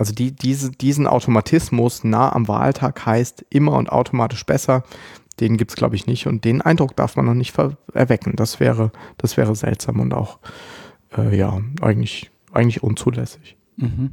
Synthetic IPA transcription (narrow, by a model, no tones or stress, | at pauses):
ʔalzodiːd̥iːzəd̥iːzn̩ʔa̰ʊtʰomatʰɪsmʊsnaːəʔa̰mva̰ːltʰaːkhaɪstʔɪmɐʊ̰nta̰ʊtʰomaːtɪʃb̥ɛsɐd̥eːnɡiːptsɡ̥la̰ʊbəɪçnɪçtʊnt̚d̥eːnʔaɪndʁʊk̚d̥a̰ɐfmanːɔχnɪçtfɛʔɛ̰ɐvɛkn̩d̥asv̥ɛ̰ːʁəd̥asv̥ɛːʁəzɛ̰ltz̥a̰ːmʊ̰nta̰ʊx | ʔɛːja̰ːʔa̰ɪɡŋ̩tlɪç | ʔaɪɡŋ̩tlɪçʔʊnt͡suːlɛsɪ̥ç | m̩hm̩